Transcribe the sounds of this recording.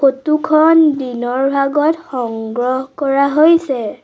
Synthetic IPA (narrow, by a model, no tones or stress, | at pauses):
xotukʰɔndinɔɹbʱaɡɔtxɔŋɡɹɔɦkɔɹaɦojsɛ